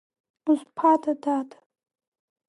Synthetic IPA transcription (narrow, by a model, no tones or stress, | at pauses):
uzʷpʰatʰʼadatʰʼ